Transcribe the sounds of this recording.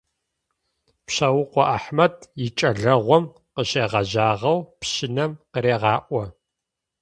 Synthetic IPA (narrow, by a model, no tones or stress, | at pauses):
pɕɐwʊqʷɔʔaħmɐdjɪt͡ʃʼɐɮɐʁʷɔm | qəɕeːʁɐʑaːʁɐwpɕɪnɐmqəɾeːʁɑːʔʷɔ